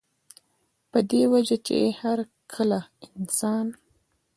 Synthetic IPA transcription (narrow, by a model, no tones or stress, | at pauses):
pəd̪ewad͡ʒat͡ʃḛhaɾ | kʰəlaɪnsɑn